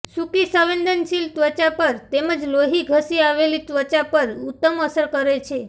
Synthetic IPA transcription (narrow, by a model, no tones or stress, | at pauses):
sukisəʋend̪ənʃilt̪ʋət͡ʃapəɾt̪eməd͡ʒloɦiɡʱəsiaʋelit̪ʋət͡ʃapəɾut̪ːəməsəɾkəɾet͡ʃʰe